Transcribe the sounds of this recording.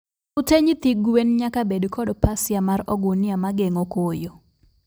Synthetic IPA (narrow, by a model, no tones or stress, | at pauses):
ʊteɲɪt̪iɡwenɲakabedkʰɔdpasɪjamaɾɔɡʊnɪamaɡeŋokojo